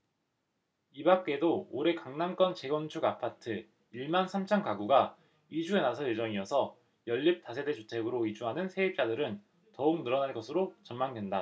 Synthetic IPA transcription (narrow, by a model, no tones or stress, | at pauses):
ibak͈edoːɾe̞kaŋnank͈ʌnt͡ɕe̞ɡwʌnt͡ɕʰuɡapʰatʰɯ | iɭmansʰamt͡ɕʰʌnkaɡuɡa | id͡ʑue̞nasʰʌjed͡ʑʌŋiʌsʰʌ | jʌʎːip̚t͈asʰe̞de̞t͡ɕot͡ɕʰe̞ɡɯɾoid͡ʑuɦanɯnsʰe̞ip̚t͡ɕ͈adɯɾɯn | tʌuk̚nɯɾʌnaɭɡʌsʰɯɾot͡ɕʌnmaŋdwenda